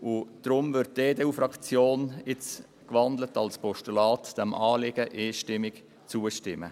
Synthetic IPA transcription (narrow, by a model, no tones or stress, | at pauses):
ʊd̥ɾʊmvʏɾt̚deːdeːuːfɾɑkt͡sjoːnɪt͡s | kʋɑnd̪lətɑlspɔʃtulɑːtd̥ɛmʔɑːlɪɡəʔeːʃtɪmɪk | t͡suːəʃtɪmə̰